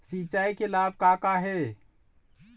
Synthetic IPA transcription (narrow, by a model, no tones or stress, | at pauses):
sit͡ʃaikelab̚ʱkakaɦe